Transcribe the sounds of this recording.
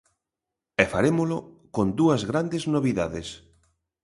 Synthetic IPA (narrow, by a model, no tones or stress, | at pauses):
ɛfaɾemʊlʊkond̪uɐzɣɾand̪eznoβiðaðes